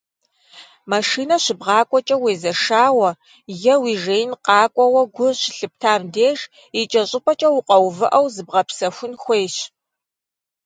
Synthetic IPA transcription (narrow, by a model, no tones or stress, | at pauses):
maʂiːnɐɕɪbʁɑːkʷʼɔt͡ʃʼɐweːzɐʂaːwɐ | jɐwiʒeːjnqɑːkʷʼɔwɐɡʷʊrɕɪɬɨp̚tʰaːmdeːʒ | it͡ʃʼɐɕʼɪpʼɐt͡ʃʼɐwʊqʼɐwvɨʔɐwzɨbʁɐpsɐxʷʊnxʷeːɕ